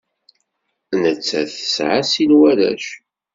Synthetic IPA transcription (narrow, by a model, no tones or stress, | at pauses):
nət͡sːæθə̥sʕasilwæɾæ̰ʃ